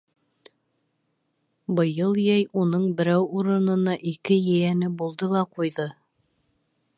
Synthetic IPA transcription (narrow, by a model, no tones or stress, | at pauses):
bɤ̆jɤlˠjæjunɤɴbɘ̆ɾæwuɾɤ̆nɤ̆nɑʔikɘjɘ̆jænɘbulˠd̪ɤlˠɑqujðɤ